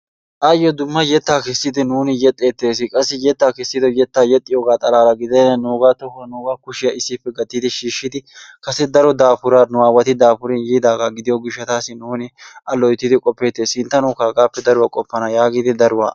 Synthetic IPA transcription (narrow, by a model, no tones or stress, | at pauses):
ʔaːjɔd̪ʊmːɐjɛt̪ːaːkɛsːɪd̪ɪnuːnɪjɛt̪ʼːeːt̪ːe̞ːs̬ːɪkʼɐsːɪjɛt̪ːaːkɛsːɪd̪ɔjɛt̪ːaːjɛt̪ʼːɪjoːɡaːt̪ʼɐlaːlɐɡɪd̪ɛnːɐnuːɡaːt̪ɔhnuːɡaːkʊʃɪjɐɪsːɪpːɛɡɐt̪ːiːd̪ɪʃiːʃːɪd̪ɪkɐsːɛd̪ɐɾɔd̪aːpʊɾaːnʊaːwɐt̪ɪd̪aːfʊɾɛnjiːd̪aːɡaːɡɪd̪ɪjɔɡɪʃːɐt̪aːsɪnuːnɪʔɐlɔjt̪ːɪd̪ɪkʼɔpːe̞ːt̪ːe̞ːshɪnt̪ːɐnuːkaːɡaːpːɛd̪ɐɾʊwakʼɔpːɐnɐjaːɡiːd̪ɪd̪ɐɾʊwa̰ː